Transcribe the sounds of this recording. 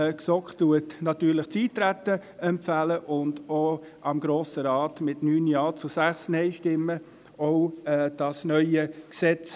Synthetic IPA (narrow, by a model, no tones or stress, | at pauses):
ksɔktuətnɑt̪yːɾlɪχt͡siːttːɾætːəɛmpfæləʔʊndo | ʔɑmɡɾoːsəɾɑːtmɪtnyːnjɑːt͡susæχsnɛɪʃtɪmːə | oʊɛd̥ɑsnœʏəksɛt͡s